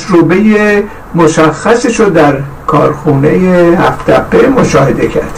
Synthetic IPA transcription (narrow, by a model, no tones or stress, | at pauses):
ɾobeje | moʃæxːæseʃod̪æɾ | kʰɒ̰ːɾxuːne̞jehæft̪ʰæpʰːemoʃɒːhed̪e̞cʰæ̰ɾd̪̥